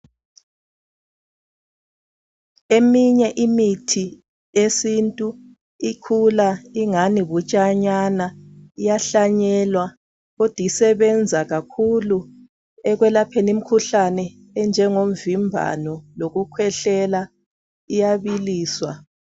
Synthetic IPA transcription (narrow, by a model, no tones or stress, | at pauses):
emiɲɛʔimitʰi | esintʼu | ikʰulaiŋaniβut͡ʃʼaɲanaijaɬaɲɛlwa | ɣɔd̥ʱisɛβɛnd͡zʱaɣakʰulu | ɛɣwɛlapʰenim̩kʰuɬanɛ | ɛnd͡ʒʱɛŋom̩vimbʱa̰nɔloɣukʰwɛɬɛla | ijaβiliːswa̰